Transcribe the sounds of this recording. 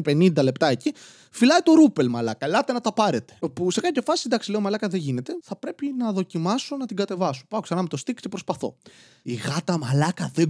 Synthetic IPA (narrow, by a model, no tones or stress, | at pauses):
pe̞nind̪ɐle̞pt̪ɐeci | filɐjt̪o̞ɾupe̞lmɐlɐkɐlɐt̪e̞nɐt̪ɐpɐɾe̞t̪e̥puse̞kɐp̪çɐfɐsind̪ɐksile̞omɐlɐkɐðeʝine̞t̪e̞θɐpɾe̞pinɐðo̞cimɐso̞nɐt̪iɡɐt̪e̞vɐso̥pɐoksɐnɐmet̪o̞st̪ikc̪epɾo̞spɐθo̞̰ | iɣɐt̪ɐmɐlɐkɐðe